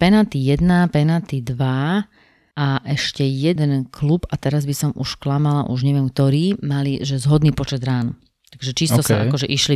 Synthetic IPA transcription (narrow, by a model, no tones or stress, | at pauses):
pɛnat̪ijɛd̪napɛnaːt̪id̪ʋa | aʔɛʃcɛjɛd̪ɛnkʰlubat̪ɛɾazbisɔmʔuʃklamala̰ʔuʒɲɛʋɪɛmk̚t̪ɔɾiːmaliʒɛzɦɔd̪niːpɔt͡ʃɛd̪ɾaːnu | t̪aɡʒɛt͡ʃist̪ɔaakɔʒɛʔiʃli